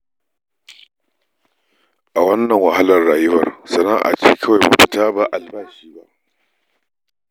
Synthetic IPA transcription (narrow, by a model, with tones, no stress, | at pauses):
ʔa˨wɐ˦nːɐ˨ŋwɐ˨ha˦lɐ˨rɽaː˨jʊ˦wɐ˨rsɐ˨naː˦ʔa̰˨t͡ʃiː˦kʰɐ˦wa˨jba˨pɪ˨taː˦ba˨ʔa˨lbaː˦˨ʃiː˦ba̰˦ʔ